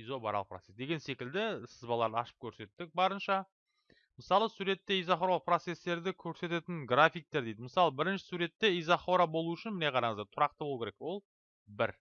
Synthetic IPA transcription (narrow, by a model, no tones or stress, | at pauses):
izobɑɾɑlˠəq̚prot̪sesd̪e̞ɡʲe̞nse̞kʲɪld̪ɪsɪzbɑlˠɑɾd̪əɑʃə̥p̚kʲʰɵɾse̞t̪ːɪk̚bɑɾənʃɑ | məsɑlˠəsuɾe̞t̪ːe̞ijzaχo̞ɾɑlˠəqpro̞t̪se̞st̪e̞ɾd̪ɪkʲʰɵɾse̞t̪e̞t̪ɪŋɡrafijk̚t̪e̞ɾd̪ejd̪ɪməsɑlˠəbɪɾɪnʃɪ̥suɾe̞t̪ːe̞ijzaχo̞ɾabo̞lˠuʏʃɪnmɪne̞qʰɑɾɑɴəzd̪et̪ʰʊɾɑqt̪əbo̞lˠukʰʲeɾekwo̞lˠ | bɪɾ